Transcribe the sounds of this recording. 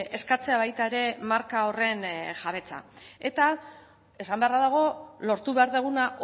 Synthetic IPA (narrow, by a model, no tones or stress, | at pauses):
e̞skat͡se̞aβ̞ajt̪aeɾe̞maɾkao̞re̞nʝaβe̞t͡sa̰e̞t̪a | e̞sambe̞araðaɣ̞o̞lo̞ɾt̪uβe̞aɾðeɣunaʔ